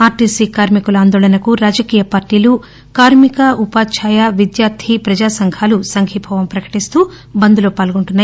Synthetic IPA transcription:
aːɾʈiːsikaːɾmikulaːnd̪oːlɐnɐkuɾaːd͡ʒɐkiːjɐpaːɾʈiːlu | kaːɾmikɐʔupaːt͡ʃʰaːjaʋid̪jaːɾt̪ʰipɾɐd͡ʒaːsɐŋɡʱaːlusɐŋɡʰʱipʰɐʋɐmpɾɐkɐ̥ʈist̪uː | bɐnd̪uloːpaːlɡuɳʈunːaː

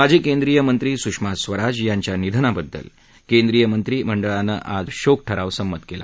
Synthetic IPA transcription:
mad͡ʑekend̪ɾijəmənt̪ɾiːsukʂmasʋəɾad͡zjaɲt͡ɕjanid̪ʱənabəd̪ʱːə̰l | kend̪ɾijəmənt̪ɾiːm̤əɳɖəɭanːə̰ʔad͡zɕok̚ʈʰəɾaʋsəmːət̪kela̰

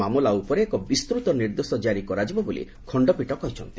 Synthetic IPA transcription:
amulaupɔɾeːkɔbist̪ɾut̪ɔniɾd̪osɔd͡ʒaɾikɔɾad͡ʒibɔbolḭ | kʰɔɳɖɔpiʈɔkɔɦit͡ʃʰɔnt̪i̥

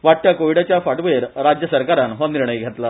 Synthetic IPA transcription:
ʋaʈːjakoʋiɽat͡ɕjafaʈʋeɾɾad͡ʑjəsəɾkaɾanɦɔniɾɳ̃əjɡʱet̪la

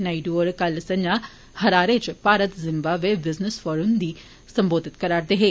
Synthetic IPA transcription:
naːiɖuɾkalsɐ̃ɲa | hɐɾaːɾet͡ʃpaːɾət̪zɪmbaʋebɪznəsfɔːɾund̪i | sɐ̃mboːd̪ʱɪt̪kɐɾaːɾd̪eɦeː

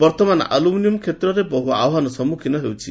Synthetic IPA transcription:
bɔɾt̪ɔman̰a̰luminijɔmkʰet̪ɾɔɾebɔɦua̰wɦanɔsɔmukʰinɔɦewt͡ʃʰi

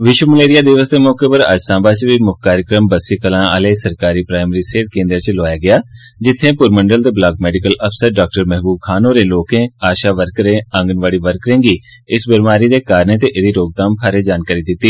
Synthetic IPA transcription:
ʋɪʃwəməleːɾɪjaːd̪ɪʋəsd̪eːmɔːkeːpəɾə̰d͡ʒsãːbaːt͡ʃʋiːmʊkkːaːɾjəkɾəmbəsiːkəlãːəleːsəɾkaːɾiːpɾaːɪməɾiːseːt̪̚kẽːnd̪əɾt͡ʃlaːjaːɡɪjaː | d͡ʒɪt̪ʰːẽːpʊɾməɳɖəlt̪eːblaːɡmɛːɖɪkələpʰsəɾɖaːk̚ʈəɾmɛɦbuːb̚kʰaːnõːɾeːloːkẽːaːʃaːʋəɾkɾẽːə̃ŋɡənʋaːɽiːʋəɾkɾẽːɡiː | ɪsbɪɾmaːɾiːd̪eːkaːɾneːt̪eʔɪd̪iːɾoːɡ̚t̪aːmpʰaːɾeːd͡ʒaːnkaːɾiːd̪ɪt̪ːiː

